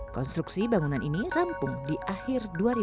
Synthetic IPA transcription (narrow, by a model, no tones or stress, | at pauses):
kɔnst̪ɾuksibaŋunaninirampʊŋdiʔahɪrduaɾi